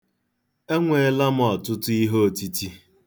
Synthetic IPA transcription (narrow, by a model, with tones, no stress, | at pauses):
e˦ŋʷe˨˦la˦m̩˦ɔ˨tʊ˦tʊ˦i˦ɦo˦˨ti˦ti˦